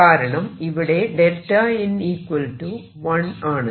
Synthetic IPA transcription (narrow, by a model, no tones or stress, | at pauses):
aːɾɐɳɐmɪʋɪɽeːɖɛlʈːaːjɪniːkʋɐlʈu | ʋɐnaːɳɐ